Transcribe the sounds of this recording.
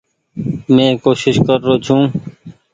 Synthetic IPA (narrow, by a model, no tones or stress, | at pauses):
mẽːkoːʃɪʃkəɾːoːt͡ʃʰũː